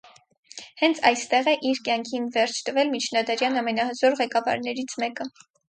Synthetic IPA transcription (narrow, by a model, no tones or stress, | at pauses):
hɛnt͡sʰɑjst̪ɛʁɛʔiɾkjɑŋkʰinvɛɾt͡ʃʰt̪əvɛlmit͡ʃʰnɑd̪ɑɾjɑnɑmɛnɑhəzɔɾʁɛkɑvɑ̰ɾnɛɾit͡sʰmɛkə